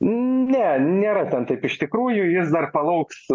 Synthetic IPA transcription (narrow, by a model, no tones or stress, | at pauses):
nʲɛnʲeːɾɐt̪ʲɛnt̪ɐɪpɪʃt̪ʲɪkɾuːjʊjɪsd̪ɐrpɐlˠɐʊks